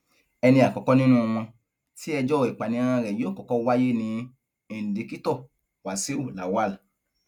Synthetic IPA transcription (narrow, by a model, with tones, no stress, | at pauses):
ɛ˧nĩ˧a˨kɔ˨kɔ˦nĩ˦nũ˦˧w̃ɔ̃˧ | ti˦ɛ˧d͡ʒɔ˦˨i˨k͡pa˨nĩ˨˧˦ɾ̃ã˧ɾɛ˨jo˦˨kɔ˨kɔ˦˧wa˦je˦nĩ˧˨ | de˨ki˦tɔ˦˨ | wa˨se˦wo˦˨la˨wa˦˨la˨